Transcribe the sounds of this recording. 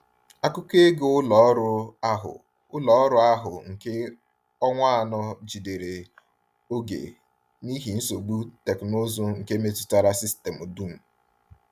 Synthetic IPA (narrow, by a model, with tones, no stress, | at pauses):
a˦kʊ˦ke˦ɡo˦ʊ˦lɔ˨˦ɾʊ˦a˦ɦʊ̰˨ | ʊ˦lɔ˨˦ɾʊ˦a˦ɦʊ˨ŋ̩˨ke˦ | ɔ˦ŋʷa˦a˨nɔ˦d͡ʒi˨de˨ɾe˨ | o˦ɡḛ˨ | ni˦ɦi˨n̩˦so˨ɡ͡bu˦te˨kno˦zo˦ŋ̩˨ke˦me˦tʊ̥˦ta˦˨ɾa˦si˦ste˨mo˨du˦˨m̩˨